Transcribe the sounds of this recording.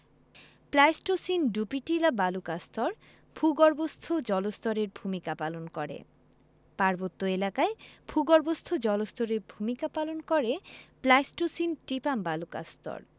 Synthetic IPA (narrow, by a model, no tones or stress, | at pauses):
plajsʈosinɖupiʈiɾabalukast̪ɔɾ | bʱuɡɔɾbost̪ʰod͡ʑɔlost̪ʰɔɾeɾbʱumikapalonkɔɾḛ | paɾbot̪ːoelakaebʱuɡɔɾbost̪ʰod͡ʑɔlost̪ʰɔɾeɾbʱumikapalonkɔɾeplajsʈosinʈɾipambaluka̰st̪ʰɔ̰ɾ